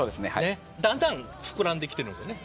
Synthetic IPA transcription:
oːd̪esneha̰e | d̪ãnd̪ãŋ | ɸɯ̥kɯ̟ɾãnd̪ekʲit̪eɾɯ̃nsene

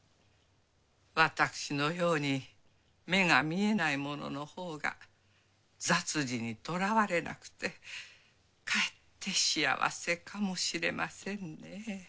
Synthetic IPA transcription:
βat̪akɯ̟̥ɕino̞jo̞ːɲ̟i | me̞ɡamʲie̞naimo̞no̞̰no̞ho̞ːɡa̰ | d͡zat͡sɨd͡ʑiɲ̟it̪o̞ɾaβaɾe̞nʔa̰kɯ̟̥t̪e̞ | kaet̪ʰːe̞ɕia̰βa̰se̞kʰamo̞ɕiɾe̞̰mʔasẽ̞nne

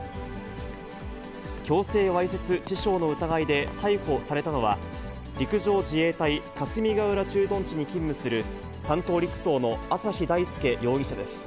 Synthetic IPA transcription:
kʲo̞ːse̞ːβaiset͡sɨt͡ɕiɕo̞ːno̞ɯ̟t̪aɡaid̪e̞t̪aiko̞saɾe̞t̪ano̞βa̰ | ɾʲikɯ̟ʑo̞ːʑie̞ːt̪aikasɨmʲiɡaɯ̟ɾat͡ɕɨːd̪õ̞ɲ̟t͡ɕiɲ̟ikʲĩmːɯ̟sɨɾɯ̟ | sãnt̪o̞ːɾʲikɯ̟̥so̞ːno̞asaçid̪aisɨ̥ke̞jo̞ːɡʲiɕad̪e̞sɨ̥

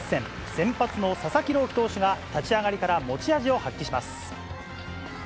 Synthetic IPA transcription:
sẽ̞m | sẽ̞mpat͡sɨno̞sasakʲiɾo̞ːkʲi̥t̪o̞ːɕiɡat̪at͡ɕiaɡaɾʲikaɾamo̞t͡ɕiaʑio̞hakʲːiɕimasɨ̥

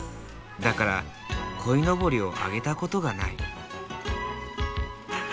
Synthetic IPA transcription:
d̪akaɾa | kʰo̞ino̞bo̞ɾʲio̞ʔa̰ɡe̞t̪ako̞t̪o̞ɡanai

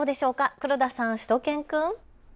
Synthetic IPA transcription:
oːd̪e̞ɕo̞ːkakɯ̟ɾɯ̟d̪asãɰ̃ɕi̥t̪o̞kẽ̞ŋkɯ̟̃ŋ

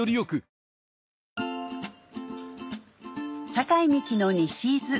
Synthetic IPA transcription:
oɾʲijokɯ̟ | sakaimʲikʲino̞ɲʲiɕiːzɨ

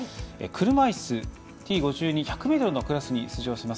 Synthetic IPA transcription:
ḛkʰɯ̟ɾɯ̟maisɨ | t̪ʲiːɡo̞ʑɨːɲ̟içakɯ̟me̞t̪oɾɯno̞kɯ̟ɾasɨɲ̟it͡sɨʑo̞ːɕimas

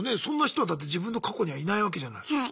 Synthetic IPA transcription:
nesõ̞nːaçi̥t̪o̞ad̪at̪̬ːe̞d͡ʑibɯ̃nːo̞kʰako̞ɲ̟iβainaiβak̬eʑana̰i

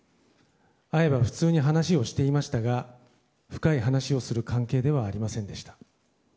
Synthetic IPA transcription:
ae̞baɸɯ̟̥t͡sɨːɲ̟iɦanaɕio̞ɕi̥t̪e̞imaɕi̥t̪aɡa | ɸɯ̥kaiɦanaɕio̞sɨɾɯ̟kãŋke̞ːd̪e̞βaːɾʲimasẽ̞nd̪e̞ɕi̥t̪ḁ

